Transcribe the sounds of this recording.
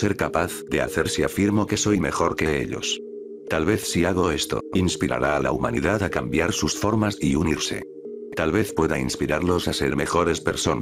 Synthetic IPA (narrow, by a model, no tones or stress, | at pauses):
se̞ɾkapaθðe̞a̰θe̞ɾsiafiɾmo̞ke̞so̞jme̞xo̞ɾke̞ḛʎo̞̰s | t̪alβe̞θsiaɣ̞o̞e̞st̪o̞̰inspiɾa̰ɾaːla̰uma̰nḭðaðakambjaɾsusfo̞ɾmasiuniɾse̞̰ | t̪alβe̞θpwe̞ðainspiɾaɾlo̞sase̞ɾme̞xo̞ɾe̞spe̞ɾso̞n